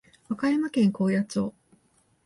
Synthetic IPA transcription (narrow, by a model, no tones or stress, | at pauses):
βakajamakẽ̞ŋko̞ːjat͡ɕoː